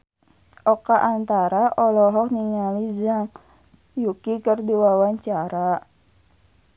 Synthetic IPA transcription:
ʔɔkaʔːnt̪aɾaʔɔlɔɦɔk̚niŋalid͡ʒaŋ | jukikərdiwawaɲt͡ʃaɾa

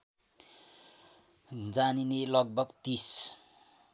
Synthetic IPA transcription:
d͡zaninelʌɡ̚bʱʌɡt̪is

